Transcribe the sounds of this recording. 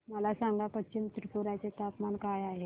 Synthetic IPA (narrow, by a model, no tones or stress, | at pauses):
məlasaŋɡapət͡ɕimt̪ɾpuɾat͡set̪apmankajaɦe